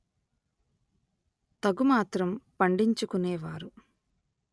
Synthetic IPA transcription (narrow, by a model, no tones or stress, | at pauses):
t̪ɐɡumaːt̪ɾɐmpɐɳɖiɲt͡ʃukuneːʋaːɾu